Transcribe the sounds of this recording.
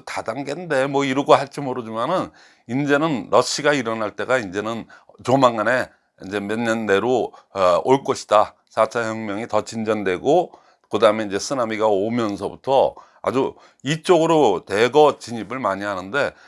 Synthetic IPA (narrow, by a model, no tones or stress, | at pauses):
tadaŋɡende̞mwʌiɾɯɡohaɭt͡ɕ͈imoɾɯd͡ʑimanɯn | ind͡ʑe̞nɯnɾʌɕʰiɡaiɾʌnaɭt͈e̞ɡaind͡ʑe̞nɯn | t͡ɕomaŋːane̞ | ind͡ʑe̞mjʌnɲʌnde̞ɾo | oɭk͈ʌɕʰi̥da | sʰat͡ɕʰaçjʌŋmjʌŋitʌt͡ɕind͡ʑʌndwe̞ɡo | kɯdaɯmeind͡ʑe̞sʰɯnamiɡaomjʌnsʰʌbutʰʌ | a̰d͡ʑu | it͡ɕ͈oɡɯɾote̞ɡʌt͡ɕiɲibɯɭmaɲiɦanɯnde̞